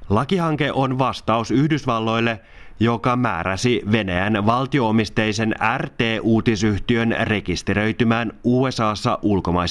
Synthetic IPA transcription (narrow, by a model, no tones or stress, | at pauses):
lɑkihɑŋke̞ʔonʋɑst̪ɑusyhdysʋɑlːo̞jlːe̞ | jo̞kɑmæ̰ːɾæsiʋe̞næjænʋɑlt̪io̞omist̪ejse̞nært̪e̞ːʔuːt̪isyht̪iø̞nre̞kist̪eɾø̞jt̪ymæːnuːe̞sɑːsːɑʔulko̞mɑjs